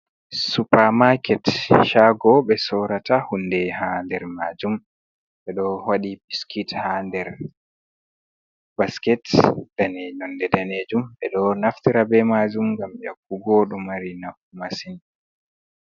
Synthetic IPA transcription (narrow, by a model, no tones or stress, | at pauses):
supaɾmakɛtʃaɡɔɓɛsɔːɾatahundɛhandɛɾmaːd͡ʒum | ɓɛɗɔwaɗipiskithandɛɾ | b̥askɛtd̥aned͡ʒɔndɛdaneːd͡ʒumɓɛɗɔnaftiɾabɛmad͡ʒumɡamjakːuɡɔɗumaɾinakːumasin